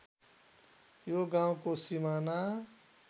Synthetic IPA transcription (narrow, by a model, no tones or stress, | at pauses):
joɡaw̃kosimana